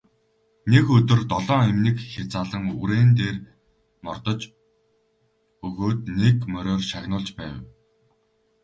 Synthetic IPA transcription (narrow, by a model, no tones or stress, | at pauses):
nekɵt̪ɘ̆rt̪ɔɮɔːemnĭkxʲat͡saːɮə̆ŋuɾeːnt̪eːr | mɔrt̪ɞ̆t͡ɕ | ɵɣoːt̪̚nekmœɾʲoːrʃaɣʲnʊːɮt͡ɕpæːw